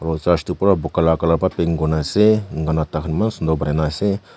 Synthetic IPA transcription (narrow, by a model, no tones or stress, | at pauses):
ɾot͡ʃaʃt̪upuɾabukalakalapapeŋɡonaseŋɡanat̪akʰnimansund̪obɾenase